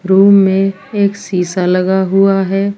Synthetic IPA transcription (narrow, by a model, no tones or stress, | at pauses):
ɾuːmːẽ | eːksiːsalɐɡaɦʊaɦɛː